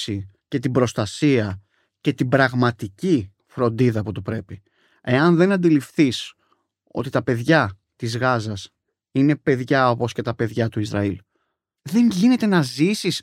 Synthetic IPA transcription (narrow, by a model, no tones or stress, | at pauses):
si | ce̞t̪ibɾo̞st̪ɐsiɐ | ce̞t̪ibɾɐɣmɐt̪ici | fɾo̞nd̪iðɐːpot̪upɾe̞pi | e̞ɐnðe̞nɐnd̪ilifθis | o̞̰t̪it̪ɐpe̞ðʝɐ | t̪izɣɐzɐs | ine̞pe̞ðʝɐo̞po̞sce̞t̪ɐpe̞ðʝɐt̪uizɾɐ̰il | ðe̞ɲʝine̞t̪e̞nɐzisis